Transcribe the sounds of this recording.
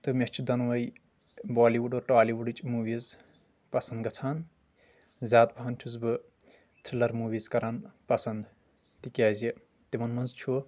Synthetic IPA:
t̪ɨmest͡ʃʰud̪ɐnʋɐj | baːliʋuɖoːɾʈaːliʋuɖɨt͡ʃʼmuːʋiːz | pɐsɐnd̪ɡɐt͡sʰaːn | zʲaːt̪̚bʱant͡ʃʰuzbɨ | t̪ʰɾilɐɾmuːʋiːzkɐɾaːnpɐsɐnd̪ | t̪ikʲaːzi | t̪imɐnmɐnzt͡ʃʰu

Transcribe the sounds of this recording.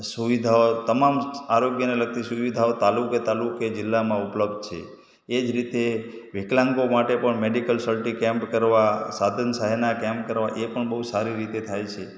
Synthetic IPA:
suʋid̪ʱaot̪əmamaɾoɡjəneləɡ̚t̪isuʋid̪ʱaot̪aluket̪aluked͡ʒɪlːamãupləb̚d̪̚t͡ʃʰḛː | d͡ʒɾit̪eʋeklãŋɡomaʈepəɳmeɖikəlsəlʈikɛ̃mpkəɾʋasad̪ʱənsaɦenakɛ̃mp̚kəɾʋaʔepəɳbəɦusaɾiɾit̪et̪ʰajt͡ʃʰe

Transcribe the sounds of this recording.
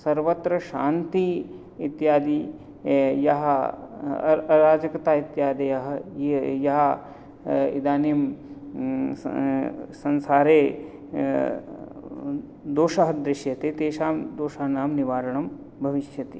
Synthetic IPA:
sɐɾʋɐt̪ɾɐʃaːnt̪i | it̪jaːd̪i | jɐɦɐ | ɐɾaːd͡ʒɐkɐt̪aːit̪jaːd̪ɐjɐɦɐ̆jɐɦɐ | ḭd̪aːnim | sɐnsaːɾeː | d̪oːʃɐɦɐd̪ɾɪʃjɐt̪et̪eːʃaːmd̪oːʃaːnaːmniʋaːɾɐɳɐm | bʱɐʋiʃjɐt̪i

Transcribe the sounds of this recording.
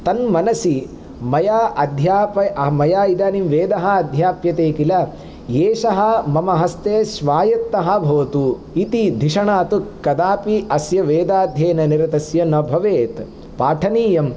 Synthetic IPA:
t̪ɐnmɐnɐsi | mɐjaːʔɐd̪ʱjaːpɐɐmɐjaːid̪aːnimʋeːd̪ɐɦɐ̆ɐd̪ʱjaːpjɐt̪eːkilɐ | jeːʃɐɦɐ̆mɐmɐɦɐst̪eːʃʋaːjɐt̪ːɐɦɐ̆bʱɐːɐt̪u | it̪id̪ʱiʂɐɳaːt̪ukːɐd̪aːpiɐsjɐʋeːd̪aːd̪ʱjeːnɐniɾɐt̪ɐsjɐnɐbʱɐʋeːt̪ | paːʈʰɐniːjɐm

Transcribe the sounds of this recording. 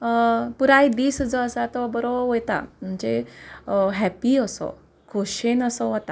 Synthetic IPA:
puɾajd̪iːsəd͡zɔəsat̪ɔbəɾoʋojt̪a̰m̤ənt͡ɕe | ɦɛpiəsɔ̰ | kʰoɕenəsɔɦɔt̪a

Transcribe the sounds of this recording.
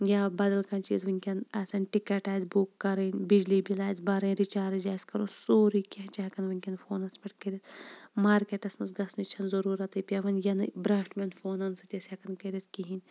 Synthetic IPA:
jabɐd̪ɐlkɐnt͡ʃḭːzʋɐnʲkʲɐnɐsɐnʲʈikɐʈaːjzbukːɐɾɐnʲbid͡ʒlibilaːjzbɐɾɐ̃nɾit͡ʃaːɾd͡ʒaːjskɐɾoːsoːɾikʲɐɦt͡ʃɐɦɐkɐnʋɐnʲkʲɐnfoːnɐspɐʈkɐɾit̪maːɾkʲeʈɐsmɐsɡɐsnit͡ʃʰɐnzɐɾuːɾɐt̪ɨpʲɐʋɐnjɐnɨbɾãːʈmʲenfʰoːnɐnsɐt̪ʲɐsʲɐkɐnkɐɾit̪̚ʰkiɦinʲ

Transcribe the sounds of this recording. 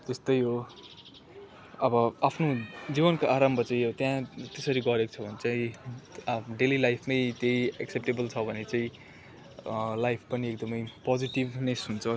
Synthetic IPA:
t̪est̪ʌjɦo | ʌbʌapʰnod͡zibʌnkoʔaɾʌmbʱʌt͡sãĩt̪jãt̪esʌɾiɡʌɾeko̥t͡sʰʌbʱʌnet͡saĩ | ɖelilajpʰmʌjt̪eiaksep̚ʈebʌlt͡sʰʌbʱʌnet͡saĩ | lajpʰpʌniekd̪ʌmʌjpʌd͡ziʈibnʌjsunt͡sʰʌ

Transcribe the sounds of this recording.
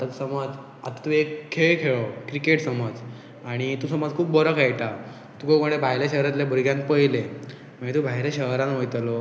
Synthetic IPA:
at̪əksəməd͡z | at̪at̪uekʰːeɭekʰeɭokɾikeʈsəməd͡z | aɽ̃it̪uːsəməd͡zkʰuːp̚bɔɾəkʰajʈa | t̪ukokoɽ̃ẽbʱajljaɕəɦɾãt̪ljabʱuɾɡjãn̚pəjle | mə̃ɳet̪ubʱaɦjɾaɕəɦɾãnɦojt̪lo

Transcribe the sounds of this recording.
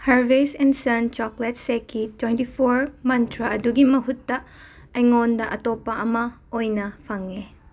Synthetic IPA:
hɐɾbesɛnsɐnt͡ʃɔklet̚sekːitwejntipʰoɾmɐntʰɾɐɐduɡimɐɦutːɐ | ɐjŋondɐʔɐtɔpːɐɐmɐ | ojnɐpʰɐŋe

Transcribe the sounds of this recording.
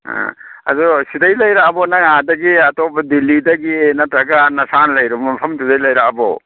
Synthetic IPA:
a̰a̰zusidajlɐjɾakbɔnaadɐɡiatɔbɐdilːidaɡienatɾɐɡanɐsanlajɾumɐpʰɐmtʰudajlajɾakabɔ̰

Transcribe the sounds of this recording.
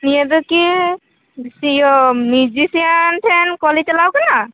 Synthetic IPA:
nijad̪uki | sijɔmid͡ʒisiantʰɛnkɔlitɛlawkana

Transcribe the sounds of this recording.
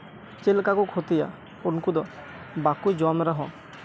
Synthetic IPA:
t͡ʃelkakukʰot̪ija̰ | onkud̪ɔ | bakujd͡ʒɔmɾaɦɔ̃

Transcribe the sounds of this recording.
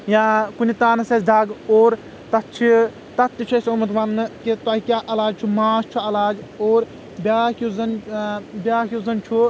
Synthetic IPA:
jãːkunit̪aːnɐsesd̪ʱaɡoːɾ | t̪ɐt̪t͡ʃʰi | t̪ɐt̪ːit͡ʃʰesʲomɐt̪ʋɐnːɨkit̪aɦikʲaːʔɐlaːd͡ʒt͡ʃʰumaːst͡ʃʰuɐlaːd͡ʒoːɾ | bʲaːkʲuzɐnbʲaːkʲjuzɐnt͡ʃʰu

